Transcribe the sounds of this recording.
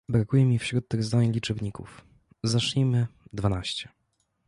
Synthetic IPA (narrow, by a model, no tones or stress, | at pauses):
bɾakujɛmʲifɕɾut̪̚t̪ːɘɣzd̪aɲlʲit͡ʂɛbɲikṵf | zaʂʎʲimɘd̪vanaɕt͡ɕɛ